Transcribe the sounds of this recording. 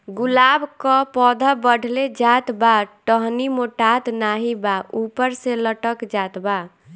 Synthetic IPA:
ɡulabkəpɔd̪ʱəbəɖ̤ʱled͡ʒat̪baʈəɦnimoʈat̪naɦibaʔupəɾseləʈəkd͡ʒat̪ba

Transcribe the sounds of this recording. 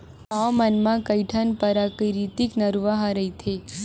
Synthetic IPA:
amənmãkəjʈʰanpəɾakəɾit̪iknəɾʋaɦãɾəit̪ʰe

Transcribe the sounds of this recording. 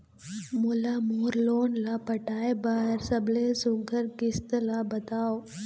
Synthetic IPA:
moːlamoːɾloːnlapɐʈaːebaːɦɪɾsɐbʱlesʊ̃ɡʱəɾkɪst̪labɐt̪aːoː

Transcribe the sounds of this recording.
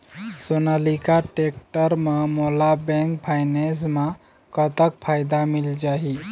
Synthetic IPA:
sonəlikaʈek̚ʈəɾməmolabɛ̃ŋkpʰajnesmã | kət̪ək̚pʰajd̪amild͡ʒaɦi

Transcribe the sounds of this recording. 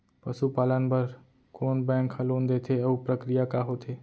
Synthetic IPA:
pəsupaːlənbəɾ | koːnbɛ̃ːŋkəloːnd̪et̪ʰeəupɾəkɾijakaɦot̪ʰe

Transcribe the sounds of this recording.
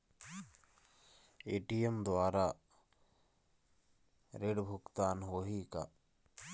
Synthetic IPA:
eːʈijemd̪waːɾa | ɾeɽbʱʊkt̪aːnɦoːɦika̰

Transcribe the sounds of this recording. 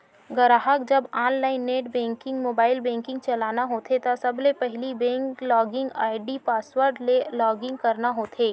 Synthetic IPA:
ɡɐɾaːɦəkd͡ʒɐbaːnlaːɪnːeːʈbɛ̃ːŋkɪ̃ŋɡmoːbaːɪlbɛ̃ːŋkɪ̃ŋɡ̚t͡ʃɐlaːnaɦoːt̪ʰet̪asɐblepɛɦlibɛ̃ːŋklɔːɡɪ̃ŋɡaːɪɖipaːswəɾɖlelɔːɡɪ̃ŋɡ̚kɐɾnaɦoːt̪ʰeː

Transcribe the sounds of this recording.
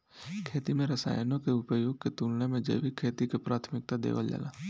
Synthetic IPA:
kʰeːt̪imẽɾəsa̰ːjnõkeʊpəjoːɡ̚ket̪uːlnemẽd͡ʒə̰ɪʋikʰeːt̪ikepɾaːt̪ʰmɪk̚t̪ad̪ḛːʋə̰ld͡ʒə̰la̰ː

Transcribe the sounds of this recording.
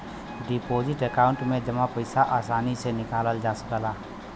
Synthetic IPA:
ɖipoːzɪʈekaːʊ̃ɳʈmẽd͡ʒɐmapɐɪsaʔaːsaːnisenɪkaːləld͡ʒaːsə̥kəlaː

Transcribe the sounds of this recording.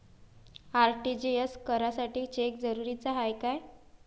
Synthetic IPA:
aɾʈid͡ʑieskəɾasaʈiːt͡ɕek̚d͡zəɾuɾit͡saɦajkaj

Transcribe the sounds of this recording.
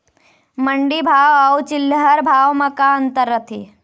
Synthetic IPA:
məɳɖibʱawawt͡ʃilːəɦəɾbʱaʋmɐkaənt̪əɾːət̪ʰḭ

